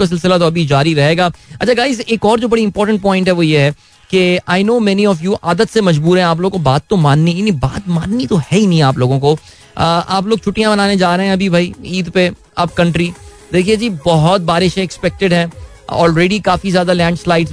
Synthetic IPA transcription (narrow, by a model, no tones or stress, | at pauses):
kas̬ɪlsɪlat̪oɐbʱid͡ʒaːɾiɾɐɦeːɡaːɐt͡ʃʰaɡaːɪzeːkɔːɾd͡ʒoːbɐɽiɪ̃mpɔːɾʈə̃ɳʈ̚pɔ̃ːɪ̃ɳʈɦɛʋojeɦɛ | keaːɪnoːmɛniɔfjuːʔaːd̪ət̪semɐd͡ʒbuːɾɦɛ̃aːp̬loːɡokobaːt̪ːõmaːnːinĩba̰ːt̪maːnːit̪ohɛinĩaːploːɡõko | əʔaːp̬loːɡ̚t͡ʃʰʊʈːijãbɐnaːned͡ʒaːɾɐɦɛ̃ɐbʱibʱaːiiːd̪pe | ɐbkɐ̃ɳʈɾi | d̪eːkʰied͡ʒiːbɔɦɔt̪̚baːɾɪʃẽɪkspɛk̚ʈɪɖɦɛ̃ | ɔ̰ːlɾeːɖikaːfizjaːd̪alɛ̃ːɳɖslaːɪɖz